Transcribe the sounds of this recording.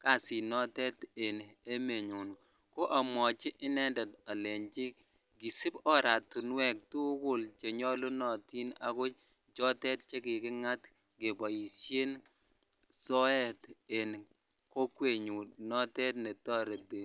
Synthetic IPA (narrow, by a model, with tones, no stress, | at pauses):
ka˦˨si˨nɔ˦tɛ˦te˨ne˦me˨ɲu˨n | ko˦ʔa˨mɔ˨t͡ʃɪ˦ʔɪ˦nɛ˦ndɔ˨ta˨le˨ɲt͡ʃɪ˦ | ɡi˨si˦bɔ˦ɾa˨tu˨n˦wɛ˦˨k̚tu˦ɡʊ˨lt͡ʃe˨ɲɔ˦lo˦nɔ˨ti˦na˦ɡʊ˦t͡ʃ | d͡ʒɔ˦tɛ˦t̚t͡ʃe˦kɪ˨kɪ˦ŋa˦t | ɡe˨ba˨ji˨sje˦n | sɔ˦ɛ˦te˨n | ko˦kwe˦˨ɲu˨nɔ˦tɛ˦tne˨tɔ˦ɾe˨de˨